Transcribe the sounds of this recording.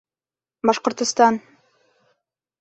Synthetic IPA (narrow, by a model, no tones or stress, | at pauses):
bɑʃqŏɾt̪ŏst̪ɑn